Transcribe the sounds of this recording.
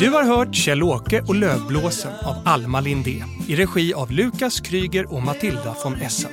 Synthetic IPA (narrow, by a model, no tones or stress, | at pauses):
d̪̥ɵhaɾɦœːʈɕɛloːkəʔɔløːvbloːsənavalmalɪnd̪eː | ɪɾɛɧiːavlʉ̟ːkaskʰɾyːɡəɾɔmat̪ʰɪld̪afɔnɛsːə̰n